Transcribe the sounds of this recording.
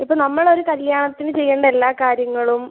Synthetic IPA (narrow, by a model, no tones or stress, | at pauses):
ipːoːɭnɐmːɐɭo̞ɾukɐljaːɳɐt̪ːinɨt͡ɕe̞jːeːɳɖɐelːaːkaːɾjɐŋːɐɭum